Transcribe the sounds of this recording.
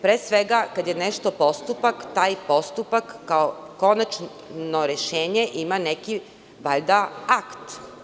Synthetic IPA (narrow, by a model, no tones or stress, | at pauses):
pɾeːsʋeɡakad̪je̞neʃt̪o̞po̞st̪upakt̪aːjpo̞st̪upakːaoko̞nat͡ʃ | noɾeʃeːɲe̞ʔimane̞ki | ʋaʎd̪aakt̪